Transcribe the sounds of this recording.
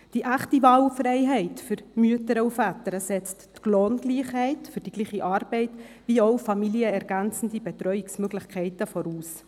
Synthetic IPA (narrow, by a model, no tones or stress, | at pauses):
d̥iʔæχtivɑːwfrɛɪɦɛɪtfʏɾmyətəɾəufæt̪əɾəsɛt͡stɡ̥loːnɡ̥liːχhɛɪtfʏrd̥iɡliːχiʔɑːɾb̥ɛɪt | ʋiːoʊfɑmiliəɛɾɡ̥ænt͡sn̩dibɛt̪ɾœʏɪksmøɡlɪχkʰɛɪtəfɔɾuːs